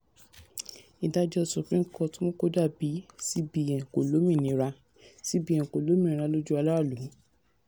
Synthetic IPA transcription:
ĩ˨ta˧d͡ʒɔ˧˨su˨˦pɾĩ˦˨kɔ˦˨tũ˦mõ˦ko˦da˦˨bi˨˦si˦bi˧˨jɛ̃˨ko˨lo˨˦mĩ˦˨nĩ˧˦ɾa˧ | si˦bi˦ɛ̃˨ko˨lo˨˦mĩ˦˨˧ɾa˧lo˦d͡ʒu˦a˧la˦wa˦˨lu˨˦

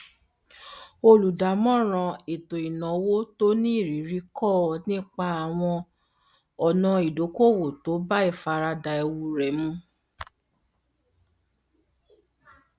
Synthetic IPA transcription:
o˧lu˨da˨˦mɔ̃˦˨ɾ̃ã˧e˨to˨i˨nɔ̃˨˦wo˦to˦nĩ˦i˦˨ɾi˨˦ɾi˦kɔ˦˨nĩ˦k͡pa˧a˨w̃ɔ̃˧ | ɔ˨nɔ̃˧i˨do˨˦ko˦˨wo˨to˨˦ba˦i˦˨fa˧ɾa˧da˨e˧wu˧ɾɛ˨mũ˧˦

